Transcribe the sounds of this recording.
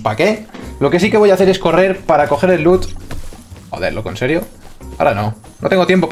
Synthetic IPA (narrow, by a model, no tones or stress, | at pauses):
pake̞lo̞ke̞sikeo̞jaθe̞ɾe̞sko̞re̞ɾpaɾako̞xe̞ɾe̞lːut̪ | xo̰ðeɾlo̰ko̞nseɾjo | ao̰ɾano̞ | not̪e̞ŋɡo̞t̪je̞mpo̞